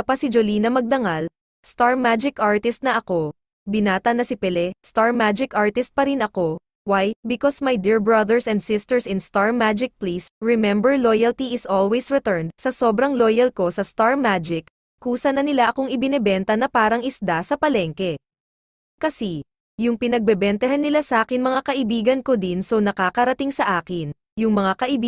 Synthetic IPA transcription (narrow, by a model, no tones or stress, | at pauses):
ɐpɐsɪd͡ʒoliːnɐmɐɡ̚d̪ɐŋal | st̪aɹmad͡ʒɪkʔaɹt̪ɪst̪̚nɐʔɐko̞ | bɪnaːt̪ɐnɐsɪpɛlɛst̪aɹmad͡ʒɪkʔaɹt̪ɪst̪̚pɐɾɪnɐko̞ | wajbɪkosmɐjd̪iɹbɹɐd̪ɛɹsɛnd̪sɪst̪ɛɹsɪ̃nst̪aɹmad͡ʒɪk̚plisɹɛmɛmbɛɹlojɐlt̪iʔɪsolwɛjsɹɛt̪ɛɹnd̪̚sɐso̞ːbɾɐŋlojɐlko̞sɐst̪aɹmad͡ʒɪkː | uːsɐnɐnɪlaʔɐkoŋɪbɪnɛbɛnt̪ɐnɐpaːɾɐŋɪsd̪asɐpɐlɛŋkɛ | kɐsi | jʊŋpɪnɐɡ̚bɛbɛnt̪ɐɦanːɪlasɐʔaːkɪŋmɐŋakɐʔɪbiːɡɐnkod̪insownɐkakɐɾɐt̪iŋsɐʔaːkɪn | jʊŋmɐŋakɐʔɪb